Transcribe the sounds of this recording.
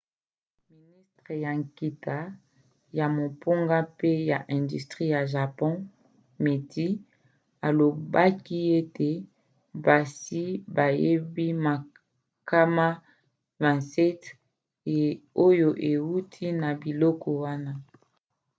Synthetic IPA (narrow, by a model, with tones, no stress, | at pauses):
mi˨ni˦stʁe˨ja˨ŋki˨ta˨ | ja˨mo˨po˦ŋɡa˦pe˦ja˨ʔɛ̃˨ndy˨stʁi˦ja˨ʒa˨pɔ̃˦ | me˨ti˦ | a˨lo˨ba˦ki˦e˦te˨ | ba˨si˦ba˨je˦bi˦ma˨ | ka˦ma˦ | vɛ̃˨sɛ˦t | o˦jo˨ʔe˨wu˦tʰi˦na˨bi˨lɔ˦kɔ˨wa˦na˦